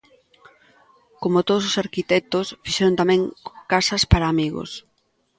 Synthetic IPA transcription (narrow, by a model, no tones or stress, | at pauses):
komot̪oð̞ososaɾkit̪ɛk̚t̪osfiʃɛɾoʊnt̪amɛ̃ŋkasɐspaɾaːmiɣo̰s